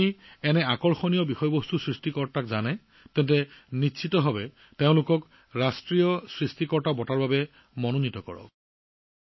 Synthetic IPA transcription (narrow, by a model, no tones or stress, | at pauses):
iɛnɛakɔɹxɔnijɔbixɔjɔbostusɹistikɔɹtakzanɛ | tɛntɛnitʃʰitɔɦɔbɛ | teʊ̃lʊkɔk | ɹastɹijɔsɹistikɔɹtabɔtaɹbabɛ | mɔnonitɔkɔ̰ɹɔ̰